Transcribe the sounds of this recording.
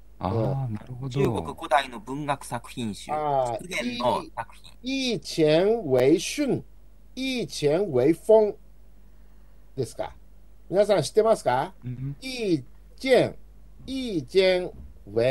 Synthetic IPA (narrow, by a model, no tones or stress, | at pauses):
ɯ̃naɾɯɦod̪ɨːɡokɯ̟kod̪aino̞bɯ̟̃ŋɡakɯ̟̥sakɯ̟̥çĩɰ̃ɕɨaẽnosakɯ̥çḭ̃iːt͡ɕiẽŋweiɕɨŋ | iːt͡ɕiẽŋweiɸõŋ | d̪e̞sɨ̥ka̰ | mʲinas̬ãɰ̃ɕi̥t̪ːe̞masɨ̥kai | t͡ɕẽŋ | iːt͡ɕẽŋ | we